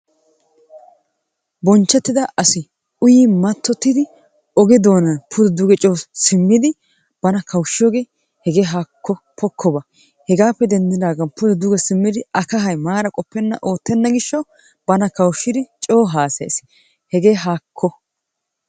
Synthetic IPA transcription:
bɔnt͡ʃːɛt̪ːɪd̪ɐʔɐsɪ | ʊjiːmɐt̪ːɔt̪ːɪd̪ɪ | ɔɡɛd̪o̞ːnɐnpʰʊd̪ɛd̪ʊɡɛt͡ʃʼoːsɪmːɪd̪ɪ | b̥ɐnɐkʰɐwʃːɪjoːɡe̞ː | hɛɡeːɦakːɔ | pɔkʰːɔbɐ | hɛɡaːpːɛd̪ɛnd̪ɪd̪aːɡɐnpʊd̪ɛd̪ʊɡɛsɪmːɪd̪ɪɐkɐɦɐjmaːɾɐkʼɔpːɛnːɐ̰ʔoːt̪ːɛnːɐɡɪʃːɔ | b̥ɐnɐkɐwʃːɪd̪ɪt͡ʃʼo̞ːɦaːsḛːs | hɛɡe̞ːɦaːkʰːɔ

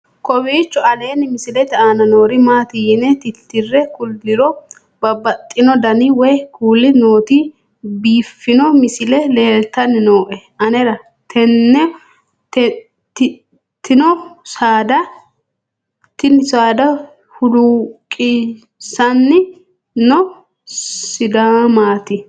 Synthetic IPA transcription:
kɔbiːt͡ʃːɔɐle̞ːnɪmɪsɪlɛt̪aːnɐnoːɾɪmaːt̪ɪjɪnɛt̪ɪt̪ːɪrːɛkʊld̪ɪɾɔ | bɐbɐt̪ʼːɪnɔd̪ɐniwɛjkuːlːɪno̞ːt̪iː | biːfːɪnɔmɪsɪlɛleːlt̪ɐnɪnoːʔɛʔɐnɛɾɐ | t̪ʰɛnːɛ | t | t̪ɪ | t̪ːɪnɔsaːd̪ɐ | t̪ɪnɪsaːd̪ɐ | hʊd̪ukʼi | sɐnːɪ | nɔ | sɪd̪aːmaːt̪ɪ

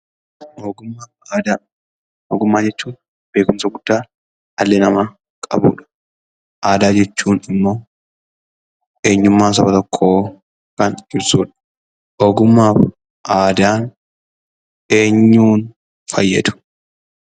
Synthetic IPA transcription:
oːɡʊmːa | d̪ | oːɡʊmːaːd͡ʒɛt͡ʃːuːn | b̥e̞ːkʊnsɐɡʊd̪̥ːaː | ɐlːɛnɐmɐ | kʼɐ̰bṵːᶑɐ̥ | ʔaːd̪aːd͡ʒɛt͡ʃːuːnɪmːoː | ʔeːɲːʊmːaːs̬ɐbɐt̪ɔkʰːoː | kɐnd͡ʒɪbsuːᶑɐ̥ | ʔoːɡʊmːaːf | ʔaːd̪aːn | e̞ːɲːuːn | fɐjːɛ̰d̪ʊ̥

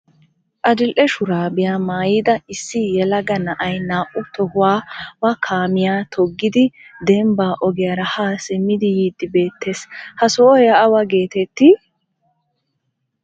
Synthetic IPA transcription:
ʔɐd͡ʒɪlʔɛʃʊɾaːbɪjaːmaːjɪd̪ɐɪsːɪjɛlɐɡɐnɐʔɐjnaːʔʊt̪ɔhʊwaːwɐkʰaːmɪjaːt̪ʰɔɡːɪd̪ɪd̪ɛmbaːʔɔɡɛjɐɾɐhaːsɛmːɪd̪ɪjiːd̪ːɪbe̞ːt̪ʰːe̞ːshɐsɔɔjɐːwɐɡe̞ːt̪ɛt̪ːɪ

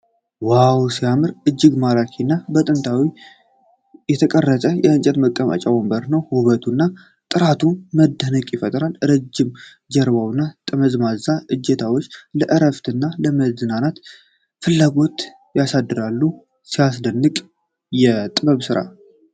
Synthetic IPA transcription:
wawsijamɨɾʔɨd͡ʒːɪɡmalakʰinːabət̪ʼɨnt̪ʰawi | jɛt̪ʰəkʼərːət̪ʼəjɛɨnt͡ʃʼɛt̪məkʼːəma̰t͡ʃʼawəmbəɾnəwhuβət̪ʰunːa | t̪ʼɨɾat̪ʰuməd̪ːənəkʼjɪfət̪ʼɾalɾəd͡ʒːɪm | d͡ʒɛɾβawɨnːat̪ʼɨməzmazaʔɨd͡ʒːɛt̪ʰawot͡ʃːləʔɨɾəft̪ɨnːaləməzɨnanat̪ | fɨlːaɡo̞t̪ | jasad̪ːɨɾalːu | sijas̬d̪ənːɨkʼ | jɛt̪ʼɨbəβsɨɾa̰

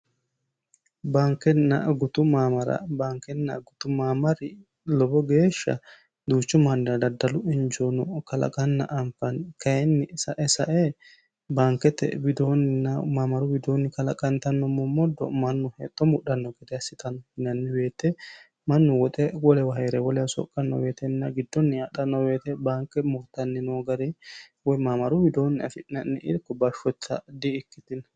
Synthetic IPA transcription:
baːŋkɛnːɐ̰ɡʊt̪ʊmaːmɐɾɐ̰baːŋkɛnːɐ̰ɡʊt̪ʊmaːmɐɾɪ | lɔbɔɡeːʃːɐ̰ | d̪uːt͡ʃːʊmɐndɐd̪ɐd̪ːɐlʊɪnd͡ʒonɔkɐlɐ̰kʼɐnːɐ̰ʔɐmpːɐnkɐjɛnːɪsɐʔɛsɐʔɛ | baːŋkːɛt̪ːɛ̰bɪd̪onɪnɐmaːmɐɾʊbɪd̪oːnːɪkɐlɐkʼɐnt̪ɐnːɔmɔmɔd̪ːɔ̰mɐnːʊhḛːt̪ʼːɔmʊɗɐnːɔɡɛd̪ɛɐsɪt̪ʼɐnɔɪnɐnːɪbe̞ːt̪ːɛ | mɐnːʊwɔt̪ʼɛwɔlɛwɐɦɐɾɛwɔlɛjɐsɔ̰kʼːɐnːɔ̰weːt̪ɛnːɐɡɪd̪ːɔnːɪɐɗɐnːɔweːt̪ɛbaːŋkːɛmʊt̪ːɐnːɪnoːɡɐɾɛwɔjmaːmɐɾʊbɪd̪oːnːɪɐ̰fɪnɐnːɪʔɪ̰ɾkːɔbɐʃɔt͡sːɐ̰d̪ɪɪkːɪt̪ɪn

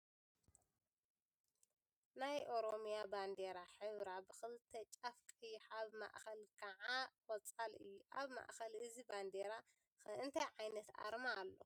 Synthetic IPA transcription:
najʔo̞ɾomijaband̪eɾaħɨβɾabɨxɨlt̪ʰɐt͡ʃʼafkʼiħaβma̰ʔxɐlkʰɐʕawɔt͡sʼalɨjːuʔaβma̰ʔxɐlɨziband̪eɾa | ɨnt̪ʰɐjʕajnɐt̪a̰ɾmaːlːo̞̰

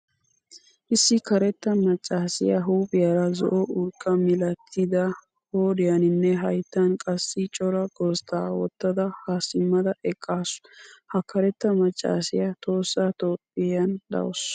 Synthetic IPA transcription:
ʔɪsːɪkɐɾɛt̪ːɐmɐt͡ʃʼːaːsɪjɐɦuːpʼɪjɐɾɐzɔ̰ʔɔʊlkʼːɐmɪlɐt̪ʰːɪd̪ɐ | hoːd̪ɪjɐnɪnːɛɦɐjt̪ːɐnkʼɐsːɪt͡ʃʼɔɾɐɡost̪aːwɔ̰t̪ːɐd̪ɐhaːsɪmːɐd̪ɐʔɛkʼːaːsʊ̥hɐkɐɾɛt̪ːɐmɐt͡ʃʼːa̰ːsɪjɐt̪ʰo̞ːsːat̪oːpʼːɪjɐnd̪ɐ̰wɔs

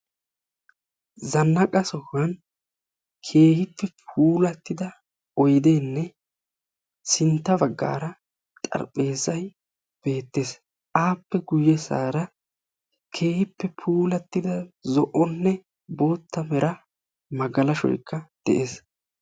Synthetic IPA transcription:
zɐnːɐkʼɐsɔhːɐn | kʰe̞ːhɪpːɛpʰuːlɐt̪ːɪd̪ɐ | ɔjd̪eːnːɛ | sɪnt̪ːɐbɐɡːa̰ːɾɐ | t̪ʼɐ̰ɾpʼːe̞ːzɐj | b̥e̞ːt̪ːes | ʔaːpːɛɡʊjːɛsa̰ːɾɐ | kʰe̞ːhɪpːɛpʰuːlɐt̪ːɪd̪ɐzɔʔɔnːɛ | bo̞ːt̪ːɐmɛɾɐ | mɐɡɐlɐʃɔ̰jkːɐd̪̥ɛʔeːs

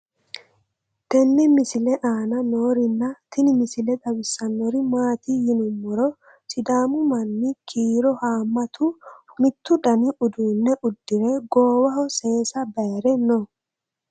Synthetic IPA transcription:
t̪ɛnːɛmɪsɪlɛʔaːnɐnoːɾɪnːɐt̪ɪnɪmɪsɪlɛt̪ʼɐbɪsːɐnːɔɾɪmaːt̪ijɪnʊmːɔɾɔ | sɪd̪aːmʊmɐnːɪkʰiːɾɔhaːmːɐt̪ʰʊmɪt̪ːʊd̪ɐnɪʔʊd̪uːnːɛʔʊd̪ːɪɾɛɡoːwɐhɔse̞ːsɐbɐjɾɛnɔ

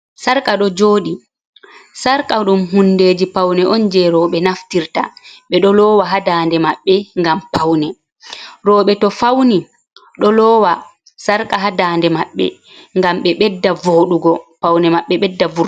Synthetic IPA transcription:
saɾkaɗɔd͡ʒoːɗi | saɾkaɗumhunːdeːd͡ʒipawnɛʔɔnd͡ʒɛɾɔːɓɛnaftiɾta̰ɓɛɗɔlɔːwaɦadaːndɛmaɓːɛŋɡampawnɛ | ɾɔːɓɛtɔfawni | ɗɔlɔːwa | saɾkaɦadaːndɛmaɓːɛ̰ | ŋɡamɓɛɓɛdːavoːɗuɡɔpawnɛmaɓːɛɓɛdːavu

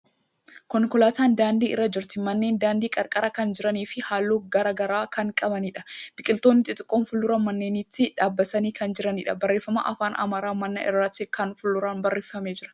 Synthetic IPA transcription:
kɔŋkɔlaːt̪aːnd̪aːnd̪iːʔɪ̰rːɐd͡ʒɪɾt̪ɪmɐnːe̞ːnd̪aːnd̪iːkʼɐɾkʼɐɾɐkɐnd͡ʒɪɾɐniːfɪhaːlːoːɡɐɾɐɡɐɾaːkʰɐŋkʼɐbɐniːᶑɐ̥b̥ɪkʼɪlt̪oːnːɪt̪ʼɪt̪ʼɪkʼːoːnfʊlːʊɾɐmɐnːe̞ːniːt̪ːɪᶑaːbːɐt̪ɐniːkɐnd͡ʒɪɾɐniːᶑɐbɐrːe̞ːfːɐma̰ʔɐfaːnɐ̰maːɾaːmɐnːɐ̰ʔɪ̰rːaːt̪ɪkɐnfʊlːʊɾaːnbɐrːe̞ːfɐmeːd͡ʒɪɾɐ̥

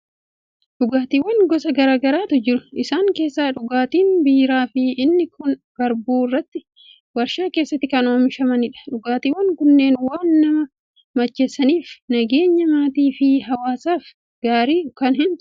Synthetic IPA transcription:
ᶑʊɡaːt̪iwːɐŋɡɔsɐɡɐɾaːɡɐɾaːt̪ʊd͡ʒɪɾʊ̥ʔɪsaːŋke̞ːsːaːᶑʊɡaːt̪iːnbiːɾaːfɪʔɪnːɪkʊnb̥ɐɾbuːɪrːɐt̪ːɪ | wɐɾʃaːke̞ːsːɐt̪ːɪkɐno̞ːmɪʃɐmɐnɪᶑɐ̥ᶑʊɡaːt̪iːwɐŋkʊnːe̞ːnwaːnːɐmɐ | mɐt͡ʃːesɐniːfnɐɡe̞ːɲːɐmaːt̪iːfɪɦɐwaːsaːf | ɡ̥aːɾiːkɐnɦɪnt̪

